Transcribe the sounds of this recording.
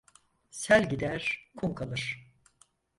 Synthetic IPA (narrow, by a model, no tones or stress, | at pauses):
sælʲɟid̪æɾ̥kʰumkʰalˠɯɾ̥